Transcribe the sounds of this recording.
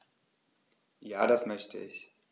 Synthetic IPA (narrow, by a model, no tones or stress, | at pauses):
jaːdasmœçtʰə̰ʔɪç